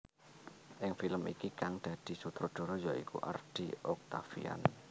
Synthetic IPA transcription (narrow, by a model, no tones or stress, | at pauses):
ʔɪŋfiləmḭkikaŋd̪̥a̤d̪̥i̤sut̪ɾɔd̪̥ɔ̤ɾɔjaikṵʔa̰rd̥iɔk̚t̪afḭa̰n